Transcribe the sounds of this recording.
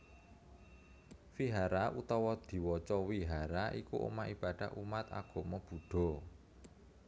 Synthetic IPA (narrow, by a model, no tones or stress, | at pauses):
fiɦaɾaʔut̪ɔwɔd̪̥i̤wɔt͡ʃɔwiɦaɾaʔikuʔo̰maʔib̥a̤ɖ̪̥a̤hʔumat̪a̰ɡ̥ɔ̤mɔb̥ṳɖ̥ɔ̤